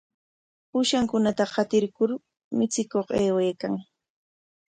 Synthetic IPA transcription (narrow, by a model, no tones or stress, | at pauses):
pʊʃaŋkʊnat̪ahɑt̪ɪɾkʊɾ | mɪt͡sɪkoχeːwejkaŋ